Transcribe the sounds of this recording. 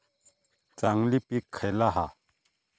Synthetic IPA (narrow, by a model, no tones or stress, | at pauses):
t͡saŋlipikʰːalaɦa